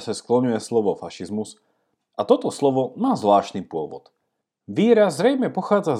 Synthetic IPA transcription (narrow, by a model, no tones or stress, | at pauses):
sasklɔɲujɛslɔʋɔfaʃizmus | at̪ɔt̪ɔslɔʋɔmaːzʋlaːʃt̪nipʊɔʋɔ̰t̪ | ʋiːɾazzːɾɛjmɛpɔxaːd͡za